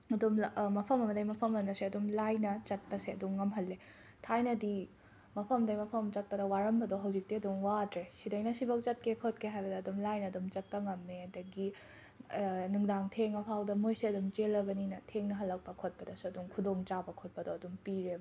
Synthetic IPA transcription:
ɐdummɐpʰɐmɐmɐdɐjmɐpʰɐmɐnɐseɐdumlajnɐt͡ʃɐt̚pɐseɐdumːɐmɦɐlːe | tʰajnɐdi | mɐpʰɐmdɐjmɐpʰɐmt͡ʃɐt̚pɐdɐwaɾɐmbɐdoɦɐwzik̚diɐduŋwadɾesidɐjnɐsibɐk̚t͡ʃɐt̚kʰekʰot̚kʰeɦajbɐdɐːdumlajnɐːdumt͡ʃɐt̚pɐŋɐmːedɐɡi | nuŋdaŋtʰeŋɐpʰawdɐmojseɐdumt͡ʃelːɐbɐninɐtʰeŋnɐɦɐlːɐk̚pɐkʰot̚pɐdɐsuɐduŋkʰudoŋt͡ʃabɐkʰot̚pɐdoɐdumpiɾeb

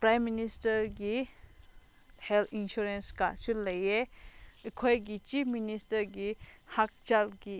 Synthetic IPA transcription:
pɾajmːinistɐɾɡi | heltʰinsuɾenska̰sulɐjeɐkʰojɡit͡ʃipʰministɐɾɡihak̚t͡ʃalɡi

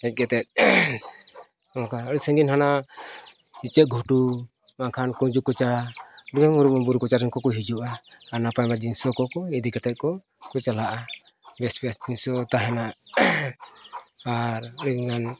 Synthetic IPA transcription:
ɛc̚ɡɛt̪ɛt̪̚ | ɔkaɔɾisɛŋɡinhana | it͡ʃɛt̪̚ɡʱuʈu | maŋkʰankɔd͡ʒukɔt͡ʃaɾikuɾuɔbuɾukɔt͡ʃaɾɛŋkɔkɔɦid͡ʒuʔaːnapajmad͡ʒinsɔkɔkɔid̪ikɛt̪ɛt̪̚kɔ | kɔt͡ʃalaʔa | bɛsbiasd͡ʒinsɔt̪aɦɛna | aɾɔɽiŋan

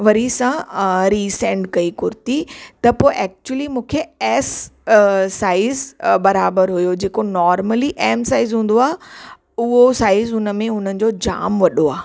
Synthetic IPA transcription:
ʋɐɾisãɾiːsẽːɳɖkɐikʊɾt̪it̪ɐpoːɪʔɛːk̚t͡ɕuəlimũːkʰeɛs | saːɪzbɐɾaːbəɾɦʊjod͡ʑeːkonɔːɾməliʔɛːmsaːɪzɦũːn̆d̪oaːɦ | ʊɦosaːɪzɦʊnəmẽɦʊn̤ənɪ̆d͡ʑod͡ʑa̰ːmʋɐɗoaː

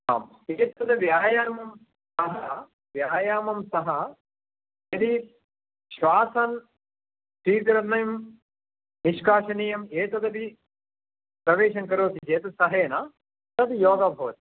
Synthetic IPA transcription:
a̰ːm | eːt̪ɐd̪ɐʋjaːjaːmɐm | sɐɦɐ | ʋjaːjaːmɐmsɐɦɐ | jɐd̪i | ʃʋaːsɐn | siːt̪ɾɐnɐjm | niʃkaːʃɐniːjɐmeːt̪ɐd̪ɐd̪i | pɾɐʋeːʃɐŋkɐɾoːt̪it͡ʃeːt̪ɐsɐɦeːna | t̪ɐd̪ijoːɡɐbʱɐʋɐt̪i̥

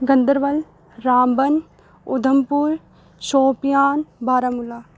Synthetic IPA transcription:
ɡɐnd̪əɾʋɐl | ɾaːmbɐn | ʊd̪ʱɐmpuɾ | ʃoːpijaːnbʱaːɾɐmulaː

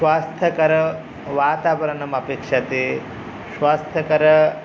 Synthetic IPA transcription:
ʃʋaːst̪ʰɐkɐɾɐ | ʋaːt̪aːʋɐɾɐɳɐmɐpekʂat̪eː | sʋaːst̪ʰɐkɐɾɐ

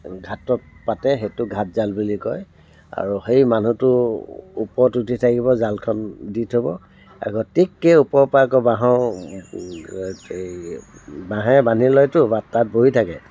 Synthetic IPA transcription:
ɡʱatɔt̚patɛxetʊɡʱat̚zalbulikɔj | a̰ɹuxejmanutʊupɔɹtutʰitʰakibɔzalkʰɔnditʰɦobɔ | a̰ɡɔtikːeupɔɹpakɔbaɦɔ̃ | bãɦɛbanilɔjtʊbatːat̚boitʰakɛ

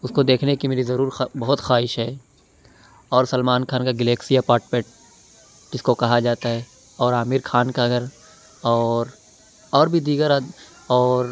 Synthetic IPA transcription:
ʊskod̪eːkʰnekimeːɾizɐɾuːɾbɐɦʊt̪xaːɦɪʃɦɛː | ɔːɾsɐlmaːnkʰaːnkaɡɪleːksijapaːɾʈpẽʈ | d͡ʒɪskokɐɦad͡ʒaːt̪aɦɛ | ɔːɾaːmiɾkʰaːnkaɡəɾ | ɔːɾ | ɔːɾbʱid̪iːɡəɾa | ɔːɾ

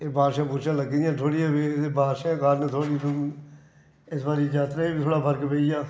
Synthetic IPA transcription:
eːbaːʃãːpʊʃãːləɡd̪ijãːt̪ʰoːɽiãːbibʱaːʃãːkaːɾnẽːt̪ʰoːɽiːt̪m | ɪsbaːɾiːd͡ʒaːt̪ɾaːiːbiːt̪ʰoːɽaːpʰəɾkpeːijaː

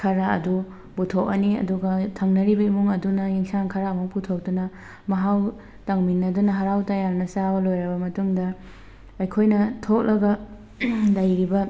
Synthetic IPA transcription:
kʰɐɾaɐ̰du | butʰok̚ɐ̰niɐ̰duɡɐtʰɐŋnɐɾibɐimuŋɐdunɐjiŋsaŋkʰɐɾaːmuŋputʰok̚dunɐ | mɐɦaw | tɐŋminːɐdunɐɦɐɾawtɐjaɾnɐsabɐlojɾɐbɐmɐtuŋdɐː | jkʰojnɐtʰok̚lɐɡɐ | dɐjɾibɐ

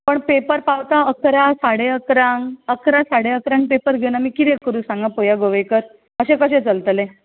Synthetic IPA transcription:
pəɳpepəɾpawt̪aəkɾasaɽeəkɾãŋɡəkɾasaɽẽəkɾãŋɡ̚pepəɾɡʱenamiːkit̪ekːəɾũsãŋɡãpojaɡoʋejkəɾ | əɕẽkəɕẽt͡səlt̪le

